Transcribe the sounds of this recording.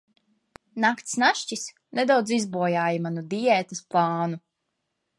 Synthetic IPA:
nakt̪snaʃt͡ʃis | ned̪awd̪zizbuɔjaːjimanud̪ijɛt̪ɐsplˠɑːnu

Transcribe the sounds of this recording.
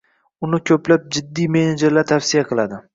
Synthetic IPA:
ʊnɪkʲʰɵplap̚d͡ʒɪd̪ːijme̞ned͡ʒeɾlaɾt̪ʰafsijaqʰɨlˠad̪ɪ

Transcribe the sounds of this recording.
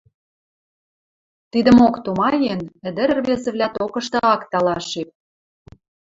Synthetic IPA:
t̪id̪ə̆mokt̪umɑjenə̆d̪ɘ̆ɾ̆rβezĕβlʲæt̪okɤ̆ʃt̪ɤ̆ɑkt̪ɑlɑʃʃep̚

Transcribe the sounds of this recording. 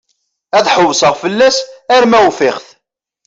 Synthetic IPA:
æðħəwsəʁfəlːæsæɾmæwfɪχθ

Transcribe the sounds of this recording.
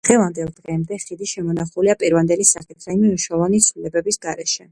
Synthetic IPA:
d̪̥ʁɛvand̪ɛlˠd̪ʁɛmd̪ɛχid̪iʃɛmɔnaχuliapʼiɾvand̪ɛlisaχit̪ʰɾaiminuʃaɔvanit̪sʰwlilɛbɛbisɡaɾɛʃɛ

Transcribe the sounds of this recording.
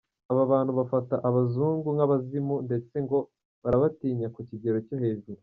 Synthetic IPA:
aβaβaːn̥huβafataʔaβazuːŋɡuŋaβazimunde̞t͡se̞ŋɡo̞ | βaɾaβatiːɲakuciɟe̞ɾo̞co̞he̞vɡu

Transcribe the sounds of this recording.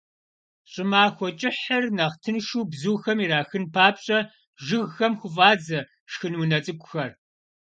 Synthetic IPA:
ɕʼɪmaːxʷɔt͡ʃʼɪħɐrnɐʁtʰɨnʃuːbzuːxɐmiɾaːxɨnpʰaːpɕʼɐ | ʒɨɣxɐmxʷʊvaːd͡zɐ | ʂxɨnwʊnɐt͡sʼɨkʷʼʊxɐr

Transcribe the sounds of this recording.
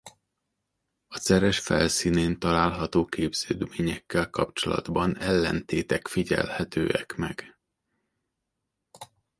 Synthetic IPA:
ɒsɛɾɛʃfɛ̰lsiːneːnt̪ɒlaːlɦɒt̪oːkeːbz̥øːd̪meːɲɛkːɛlkɒpt͡ʃo̞lɒ̰d̪bɒnɛlːɛnt̪eːt̪ɛkfiɟɛ̰lhɛt̪øːɛkmɛɡ̥

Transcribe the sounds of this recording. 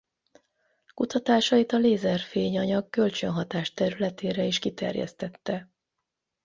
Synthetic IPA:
kut̪ɒt̪aːʃɒit̪ɒleːzɛrfeːɲɒɲɒɡːø̞lt͡ʃø̞nɦɒt̪aːʃt̪ɛɾylɛt̪eːɾɛiʃkit̪ɛ̰rjɛ̰st̪ɛt̪ːɛ

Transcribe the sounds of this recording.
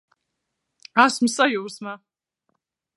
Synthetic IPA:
asmsʼajuɾsma

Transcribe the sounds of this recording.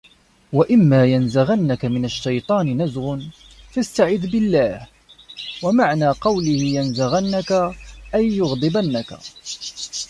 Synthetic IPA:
waʔɪmːaːjanzaɣanːakamɪnaʃːɑjt̪ˤɑːnɪnazɣʊn | fast̪aʕɪd̪ːbɪlːaːh | wamaʕnaːqɑwlɪhɪjanzaɣanːakaʔajːʊɣd̪ˤɨbanːaka̰

